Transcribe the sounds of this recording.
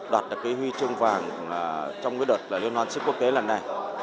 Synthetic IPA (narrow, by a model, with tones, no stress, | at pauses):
ɗwaː˨˩t̚ɗɨ˨˩kːi˨˦hwi˧t͡ɕɨ˧əŋvaː˨˩ŋː˨˩ | t͡ɕɔ˧wŋ͡mkaː˨˦jɗo˨˩t̚laː˨˩li˧ənhwaː˨˦nskːu˦˥ək̚t̪e˨˦laː˨˩nːa˨˩j